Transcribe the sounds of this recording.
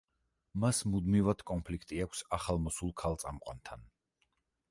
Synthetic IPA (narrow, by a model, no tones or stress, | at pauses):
masmud̪mivad̪̥kʼɔnpʰlikʰt̪ʼiakʷʰsaχalˠmɔsulˠkʰalˠt̪sʼamqʼwa̰nt̪ʰan